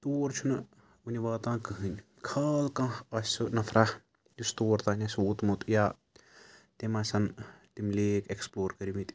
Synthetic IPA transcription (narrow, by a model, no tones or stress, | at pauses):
t̪oːɾt͡ʃʰunɨ | unʲiʋaːt̪ãːkɨɦɨnʲ | kʰaːlkãɐsʲsunɐfʰɾah | dust̪oːɾt̪aːnʲasoːt̪mut̪jaː | t̪emaːsɐnt̪imlʲeːkeksploːɾkəɾimit̪ʲ